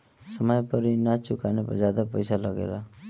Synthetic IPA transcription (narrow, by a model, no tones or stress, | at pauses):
sʌmʌjpʌɾinat͡sukanepʌ̰d͡zad̪apʌjsalʌɡḛɾʌ